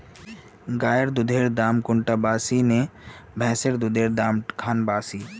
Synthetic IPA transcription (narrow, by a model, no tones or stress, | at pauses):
ɡaːjəɾd̪ʊd̪ʱeːɾd̪aːmkʊɳʈabaːsinebʱɛ̃ːsəɾd̪ʊd̪ʱeːɾd̪aːmkʰaːnbaːsiː